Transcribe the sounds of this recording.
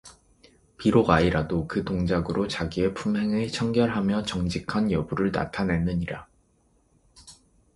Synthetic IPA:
piɾoɡaiɾadokɯtoŋd͡ʑaɡɯɾʔot͡ɕaɡie̞pʰumɦe̞ŋɯɭt͡ɕʰʌŋɡjʌɭɦamjʌt͡ɕʌŋd͡ʑikʰanjʌbuɾɯɭna̰tʰane̞nːɯɲiɾa

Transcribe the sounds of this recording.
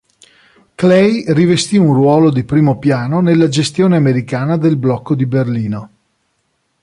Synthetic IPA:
klɛjrivest̪iunrwɔːlod̪ipɾiːmopjaːnonelːad͡ʒest̪joːneameɾikaːnad̪elblɔkːod̪iberliːno

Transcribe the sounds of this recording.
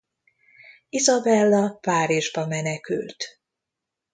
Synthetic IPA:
izɒbɛlːɒpaːɾiʒbɒmɛnɛky̰lt̪

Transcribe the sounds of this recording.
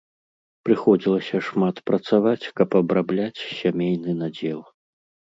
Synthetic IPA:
pɾɨxɔd͡zʲilˠɐsʲɐʂmat̪pɾɐt̪savat͡sʲkɐpɐbɾablʲat͡sʲsʲamʲejnɨnad͡zʲɛlˠ

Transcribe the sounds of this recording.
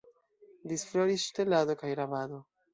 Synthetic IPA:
disfloɾisʃtelado̞kajɾavado̞

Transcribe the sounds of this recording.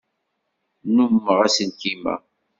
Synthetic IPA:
numːəʁæsənt̪imæ̰

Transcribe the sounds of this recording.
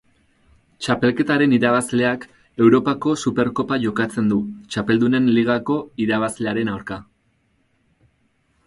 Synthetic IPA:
t͡ʃape̞lke̞t̪aɾe̞niɾaβazle̞ak | e̞wɾo̞pako̞supe̞ɾko̞paʝo̞kat͡se̞nd̪ut͡ʃape̞ld̪une̞nliɣ̞ako̞iɾaβ̞azle̞aɾe̞nawɾka

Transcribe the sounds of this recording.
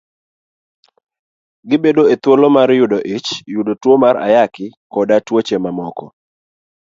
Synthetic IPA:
ɡɪbedoet̪wolomaɾjʊdoʔit͡ʃjudotwomaɾa̰jakɪkɔdatwot͡ʃemamɔkɔ̰

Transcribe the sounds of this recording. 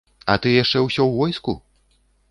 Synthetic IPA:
ɐ̰t̪ɨjaʂt͡ʂɛwsʲɔwvɔjskṵ

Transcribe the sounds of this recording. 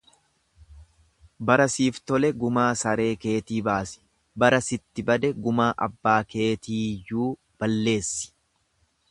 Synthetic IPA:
bɐɾɐsiːft̪ɔlɛɡʊmaːsɐɾe̞ːke̞ːt̪iːbaːsɪ̥ | bɐɾɐsɪt̪ːɪbɐd̪ɛɡʊmaːʔɐ̰bːaːke̞ːt̪iːjuː | b̥ɐlːe̞ːsːɪ̥

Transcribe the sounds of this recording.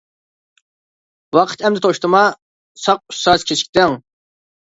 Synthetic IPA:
wɑqʰə̥t̪ʰɛmd̪ɪt̪ʰoʃt̪ʰɨmɑ | sɑq̚y̥sɑzkʲʰet͡ʃʰkʲt̪ɪŋ

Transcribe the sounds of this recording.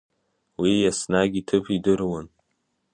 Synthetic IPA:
wijasnaɡʲitʰɨpʰidɨrwan

